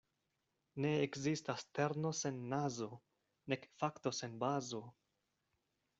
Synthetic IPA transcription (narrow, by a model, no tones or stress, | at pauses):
ne̞ekzistaste̞ɾno̞se̞nːazo̞ | ne̞kfakto̞se̞nbazo̞